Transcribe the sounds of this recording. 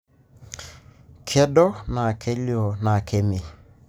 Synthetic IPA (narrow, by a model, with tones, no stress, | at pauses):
kʰɛ˦dɔ˦na˨kʰe˦ljɔ˨na˨kʰe˦me˨